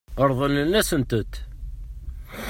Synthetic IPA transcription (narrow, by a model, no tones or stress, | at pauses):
əɾˤðˤənənːæsənt̪ət̪